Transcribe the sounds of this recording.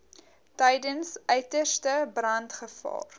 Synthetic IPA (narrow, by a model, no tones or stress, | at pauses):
tɛjdənsœɥtəstəbrɐntχəfɑ̰ːr